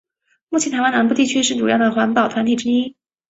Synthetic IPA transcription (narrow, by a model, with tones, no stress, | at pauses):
mu˥˩t͡ɕʰi˧˥t̪ʰa˧˥wa˥na˧˥np̬u˥˧t̪i˥˩t͡ɕʰy˥ʂɻ̩˥˩ʈ͡ʂu˨˩jɑ˥˩d̪ə˩xwa˧˥npɑ˨˩ʊt̪ʰwa˧˥nt̪ʰi˨˩ʈ͡ʂɻ̩˥i˥n